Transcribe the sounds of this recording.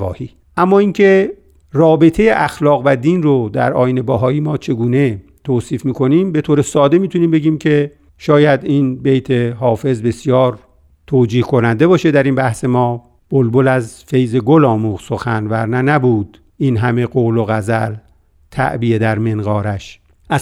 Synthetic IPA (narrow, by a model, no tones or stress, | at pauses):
ɒ̰ːhiː | ʔæmːɒːiŋcʰe̞ | rɒːbe̞t̪ʰe̞jeʔæxlɒːɣvæd̪iːnrod̪æ̰ɾɒːjine̞bɒːɦɒːiːmɒːt͡ʃʰe̞ɡuːne̞ | t̪ʰoːsiːfmiːkʰo̞niːmbe̞t̪ʰoːɾesɒːd̪emiːt̪ʰuniːmbe̞ɡiːmcʰe̞ | ʃɒːjæd̪inbe̞jt̪ʰeɦɒːfe̞zbe̞sjɒːɾ | t̪ʰoːd͡ʒiːhkʰo̞nænd̪e̞bɒːʃed̪æɾiːnbæhse̞mɒː | b̥olbolæzfe̞jze̞ɡolɒːmuːɣsoxænvæɾnænæbuːd̪̥ | ʔinɦæme̞ɡoːloɣæzæl | t̪ʰæ̰ʔbiːed̪æɾmenɡɒːɾæʃ | ʔæ